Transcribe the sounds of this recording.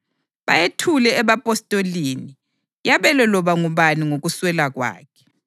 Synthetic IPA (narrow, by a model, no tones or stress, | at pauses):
βa̰jetʰulɛːβapʼɔstʼoliːni | jaβɛlɛlɔβaŋuβaniŋoɣuswɛlaɣwa̰ːkʰɛ̥